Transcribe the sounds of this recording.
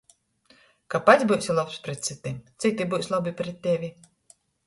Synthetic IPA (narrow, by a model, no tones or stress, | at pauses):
kapat̪zʲbujsʲilˠɔpspɾʲɛt̪t̪sɨt̪ʲit̪sit̪ʲibuwsʲlˠabɨpɾʲɛt̪̚ʲːevʲi